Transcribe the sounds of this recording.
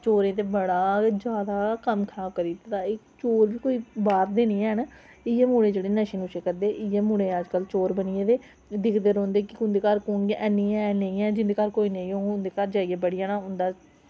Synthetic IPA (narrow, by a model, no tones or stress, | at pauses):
t͡ʃoːɾẽːt̪̬eːbəɽaːd͡ʒjaːd̪aːkəmkʰaːbkəɾiːt̪ːt̪aːɪkt͡ʃoːɾʋiːkoːiːbaːɾd̪eːnĩːɛən | ɪeːmuːɽ̃ẽːd͡ʒeːɽeːnəʃiːnuːʃeːkəɾd̪eːʔɪjeːmuːɽẽːəd͡ʒkəlt͡ʃoːɾbənɪjẽːd̪eː | d̪ɪkʰd̪eɾõːnd̪eːkɪʊ̃nd̪eːkaɾkoːŋɡeʔɛːnĩːɛnəĩːɛːd͡ʒɪ̃nd̪eːkəɾkoːiːnəĩːõːʊnd̪eːkaɾd͡ʒaːijeːbəɽijaːnãːʊnd̪aː